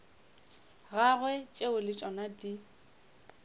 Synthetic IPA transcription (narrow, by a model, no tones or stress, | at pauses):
ɣaɣwɛt͡ʃʼeʊlɪt͡ʃʼɔnadi